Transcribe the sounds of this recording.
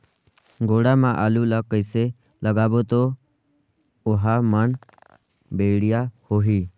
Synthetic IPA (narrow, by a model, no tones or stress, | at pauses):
ɡoːɽamãʔaːluːlək̚kːəɪse | ləɡaːboːt̪o | ʊɦamən | beːɽɪjahoːɦiː